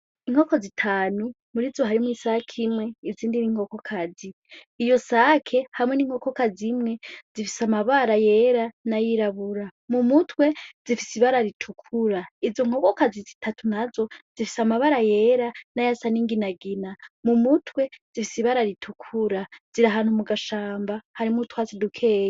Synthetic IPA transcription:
iŋ̥hoko̞zitʰaːnu | muɾizoɦaɾimwisakʰimwe̞iziːndiniːŋ̥o̞ko̞kʰaziː | jo̞sakʰe̞hamwe̞niːŋ̥ho̞ko̞kazimŋe̞z̥ifi̥samaβaɾaje̞ɾanajiɾaβuɾamumutwe̞zifisiβaɾaɾitʰukʰuɾaizo̞ŋ̥o̞ko̞kazizitʰatunazo̞z̥ifi̥samaβaɾaje̞ɾanajasaniːŋɡinaɡinamumutʰwe̞zifisiβaɾaɾitʰukʰuɾaz̥iɾaɦaːn̥humuɡaʃaːmbahaɾimutwazidukʰe̞ːj

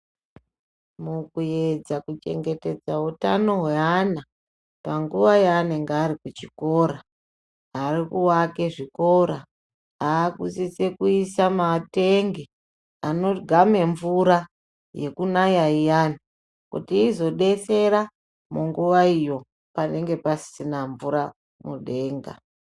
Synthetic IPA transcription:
mukujed͡zakut͡ʃe̞̰ŋɡe̞te̞d͡zautano̞ɦweana | paŋɡuʋajaːne̞ŋɡeaɾikut͡ʃiko̞ɾaː | rikuwake̞ʐiko̞ɾa | aːkṵsise̞kuisamate̞ŋɡe | ano̞ɡʱame̞ɱvuɾa | je̞kunajaijani | kṵtiːzo̞ɗe̞se̞ɾa | muŋɡuʋaijo̞ | pane̞ŋɡe̞pasi̥inaɱvuɾa | muɗe̞ːŋɡa̰

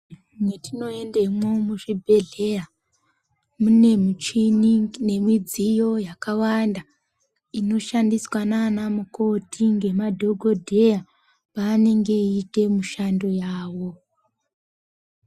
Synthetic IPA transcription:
ŋetʰino̞e̞nde̞mwo̞muʐibʱe̞ɮe̞ja | mune̞mut͡ʃinine̞mwid͡zijo̞jakawanda | ino̞ʃandiswananamuko̞tʰiŋɡe̞madʱo̞ɡʱo̞dʱe̞ja | paːne̞ŋɡe̞ite̞muʃando̞jaːwo̞

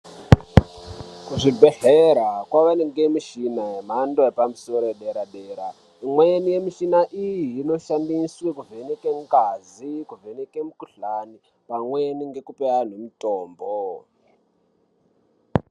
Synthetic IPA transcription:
kuʐibʱeɬeɾakwaʋaneŋɡemiʃinajem̤andoepamusoɾoeɗeɾaɗeːɾa | imwenije̞miʃinaʔijiːno̞ʃandiswekuvʱe̞nekeŋkazikuvʱenekemukuɬani | pamweniŋɡe̞kupean̤emitoːmbo

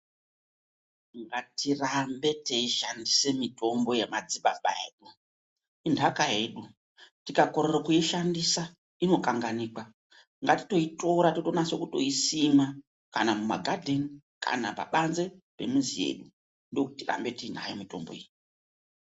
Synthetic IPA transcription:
ŋɡatirambe̞teiʃandise̞mitʰo̞mbo̞jemad͡ziɓaɓa̰e̞̰ːɗu | indʱakaɦe̞ːɗu | tikako̞ɾerokuiʃandisa | ino̞kaŋɡaniːkwa | ŋɡati̥to̞ito̞ɾatoto̞nase̞kuto̞̰isima | kanamuma̰ɡʱadʱeni | ka̰na̰pa̰ɓanze̞pe̞̰muzie̞̰ɗu | ndo̞kutira̰mbe̞tiin̤a̰jomito̞̰mbo̞̰ḭji

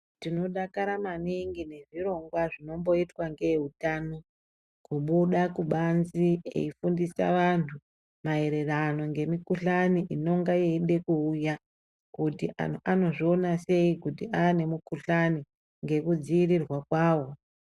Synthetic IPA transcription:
tino̞ɗakaɾamaniŋɡine̞ʐiɾo̞ŋɡwaʐino̞mbo̞itwaŋɡe̞ɦutaːno̞ | kuɓuɗakuɓanzie̞̰ifundisa̰ʋantʰu | mae̞ɾe̞rano̞ŋɡe̞mikuɬaniʔino̞ŋɡajeiɗe̞kuːja | kutiʔano̞ʐio̞nase̞ikutiaːne̞mukuɬani | ŋɡe̞kud͡ziirirwakwaːwo̞

